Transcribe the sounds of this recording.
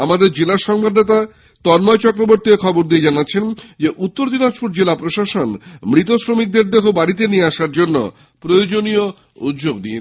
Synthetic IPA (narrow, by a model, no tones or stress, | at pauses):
amad̪eɾd͡ʑelaʃɔŋbʱad̪net̪a | t̪ɔnmɔet͡ɕɔkɾoboɾt̪iekʰɔboɾd̪ied͡ʑanatːɕʰend͡ʑeʔut̪ːoɾd̪inaʃpuɾd͡ʑelapɾoʃaʃonmɾit̪osɾomik̚d̪eɾd̪eɦobaɽit̪enieaʃaɾd͡ʑonːo̰ | pɾojod͡ʑonio | ṵt̪ːd͡ʑoɡd̪ie